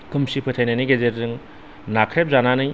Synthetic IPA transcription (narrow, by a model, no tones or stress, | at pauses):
kɯmsipʰɯt̪ʰajnajnɯjɡezeɾzɯŋ | nakʰɾep̚zananɯj